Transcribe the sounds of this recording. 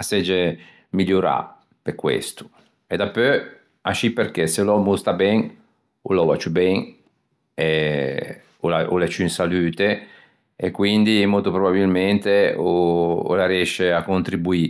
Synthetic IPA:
asɛd͡ʒe | miʎːuɾa̰ | pekwḛst̪u̥ | ed̪apːø | aʃipːerk̟eselɔmust̪abɛŋ | ulɔvat͡ʃubɛŋ | e | ulaʔulet͡ʃuinsalyːt̪e | ekwind̪imɔlt̪opɾobabilmɛnt̪eoo̰laɾjɛʃeakːont̪ɾibui

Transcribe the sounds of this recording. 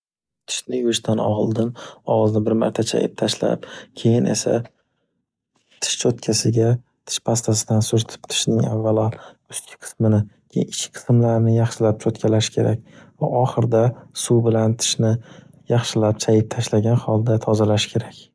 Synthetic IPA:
t̪ʰɪ̥ʃnɪjʊɪʃt̪ʰanɒ̰lˠd̪ɪnɒʁlnɪbɪɾma̰ɾt̪ʰat͡ʃʰa̰jɪ̰p̚t̪ʰaʃla̰pkʲʰe̞jɪnʔe̞̰sa̰ | t̪ʰɪ̥ʃt͡ʃʰot̪̚kʲʰasɪɡʲa | t̪ʰɪ̥ʃpʰast̪ʰasɪd̪ansʊɾt̪ʰɪ̥pt̪ʰɪ̥ʃnɪŋa̰vːala | ʊst̪kʲʰɪ̥qʰɨ̥smɪnɪ | ɪʃʲɪqʰɨ̥smlaɾnɪjɑχʃɪlap̚t͡ʃʰot̪kʲʰalaʃɪ̥kʲʰe̞ɾak̚ʲva̰ʔɒχɨɾd̪asubɪlant̪ʰɪ̥ʃnɪ | jɑχʃɪlap̚t͡ʃʰajɪp̚t̪ʰaʃlaɡʲanχɒlˠd̪at̪ʰɒzalaʃkʲʰe̞ɾakʲ

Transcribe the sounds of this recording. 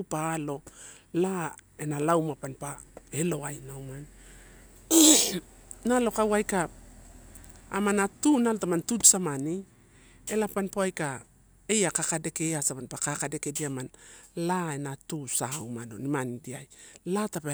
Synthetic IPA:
paːlo̞ | lae̞nalawmapanpae̞loajnawman | nalo̞kawajka | manatunalotamantutsamani | e̞lapanpoajka | e̞jakakadeke̞asamanpakakade̞ke̞diamanlae̞natusawmano̞̰nimanidiajlatape

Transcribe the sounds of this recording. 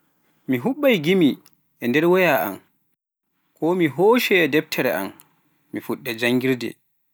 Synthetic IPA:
miɦuɓːajɡimi | ʔɛndɛɾwɔjaʔa̰m | kʰɔmiɦoːʃɛːdɛb̚tʰɛɾɛ̰ʔa̰m | mifuɗːɛd͡ʒaŋɡiɾdɛ̰

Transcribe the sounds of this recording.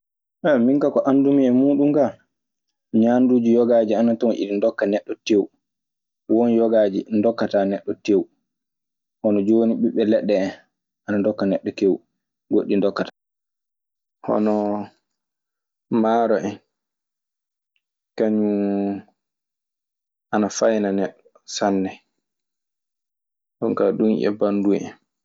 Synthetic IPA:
ʔɛmiŋkakɔʔandumiɛmuːɗumɡa | ɲandud͡ʒijɔɡaːd͡ʒianatɔwʔḭɗindɔkːanɛɗːɔtewu | wɔnjɔɡaːd͡ʒindɔkːatanɛɗːɔtew | hɔnɔd͡ʒoniɓiɓɛlɛɗːɛ | ʔanandɔkːanɛɗːɔtew | ɡoɗːindɔkːata | hɔ̰nɔ | maːɾɔʔɛn | kaɲu | ʔanafajnanɛɗːɔ | sanːɛ | ɗɔnkaɗunʔɛ̰banduɛɛ̰n

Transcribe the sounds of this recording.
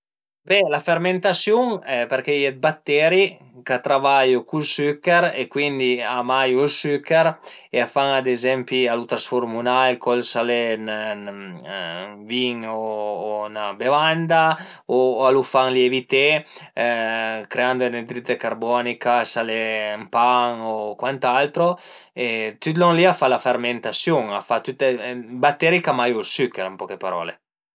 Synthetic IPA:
bɛlafeɾment̪asjuŋɛpeɾkejɛt̪̚bat̪ːɛɾi | kat̪ɾavajokulsykːeɾekwind̪iamajuilsykːeɾeafaŋad̪ezɛmpialut̪ɾasfoɾmunajlkɔlsalen | viŋoːnabevand̪a | oalufaŋljevit̪e | kɾeand̪oened̪ɾit̪ekarbɔnikasalempaŋokwant̪alt̪ɾoet̪yt̪loŋliafalaferment̪asjuŋafat̪ut̪ːebat̪ːeɾikamajulsykːɛɾampɔkepaɾɔ̰ːle

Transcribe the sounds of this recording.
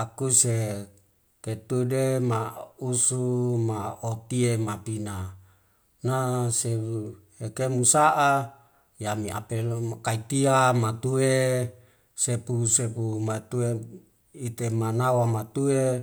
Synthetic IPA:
akuse | ket̪udemausumaot̪iemapina | naseu | ekemusaʔa | jamia̰pekait̪iamat̪ue | sepusepumat̪ue | it̪emanawamat̪ue

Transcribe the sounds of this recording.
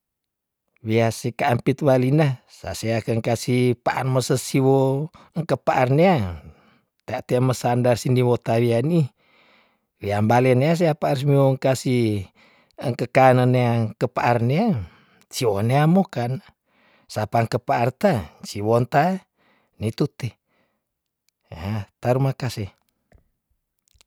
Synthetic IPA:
wiasikaːmpit̪̚walina | sa̰seakəŋkasipaʔa̰rməsəsiwo | əŋkəpaʔarneaŋ | t̪eat̪eməsandarsiniwɔt̪awiani | wiambalɛneas̬eapaaɾus̬mioŋkasi | əŋkəkanəneaŋkəpaʔarnea | t͡ʃiwoneamokan | sapaŋkəpaːrt̪at͡ʃiwont̪a | nit̪ut̪e | at̪aɾumakase

